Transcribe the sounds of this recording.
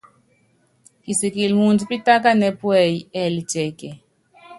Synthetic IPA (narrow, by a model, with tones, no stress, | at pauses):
ki˨si˨ki˨lmu˨nd͡zi˨pi˦ta˦ka˦nɛ˦pu˦ɛ˨jɛ˦li˨t͡ʃɛ˨kɛ˨